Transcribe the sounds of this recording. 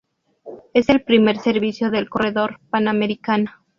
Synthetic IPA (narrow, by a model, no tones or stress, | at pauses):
e̞se̞lpɾime̞ɾse̞ɾβisjo̞ðe̞lko̞re̞ðo̞ɾpaname̞ɾikano